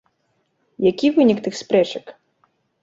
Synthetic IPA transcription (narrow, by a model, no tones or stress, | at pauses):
jakʲivɨnʲikt̪ɨxspɾɛt͡ʂɐk